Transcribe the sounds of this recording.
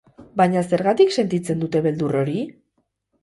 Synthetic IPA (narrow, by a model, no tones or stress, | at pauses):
bajɲase̞ɾɣat̪ikse̞nt̪it͡se̞nd̪ut̪e̞βe̞ld̪uro̞ɾi